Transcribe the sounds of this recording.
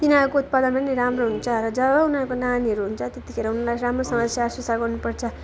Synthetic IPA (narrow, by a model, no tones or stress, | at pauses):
t̪inaɾkout̪̚pad̪ʌnpʌniɾamroɦunt͡sʰʌrʌd͡zʌbʌunʌɾkonaniɦʌɾuɦunt͡sʰʌt̪et̪ikʰeɾʌunʌlaɾamrosʌmʌsjaːswʌsaɡʌrnupʌrt͡sʰʌ